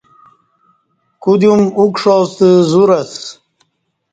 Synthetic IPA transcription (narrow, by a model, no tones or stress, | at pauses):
kud̪jumukʂost̪əzuɾas